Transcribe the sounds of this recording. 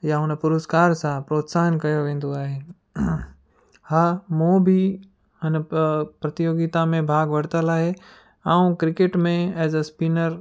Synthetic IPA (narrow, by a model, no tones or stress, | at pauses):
jaʊnɐpʊɾʊskaːɾsãpɾoːt̪saːənkɐjoʋẽːnd̪oaːɦeː | haːmoːbʱi | ɐnpɾɐt̪ɪjoːɡɪt̪amẽbʱaːɡʋɐɽt̪əlaːɦe | ãːũkɾɪkeʈmẽɛːzəspiːnəɾ